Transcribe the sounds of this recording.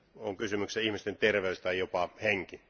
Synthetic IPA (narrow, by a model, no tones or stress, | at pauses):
oŋkysymykseihmist̪ent̪erʋeysʲt̪ɑijjopɑheŋki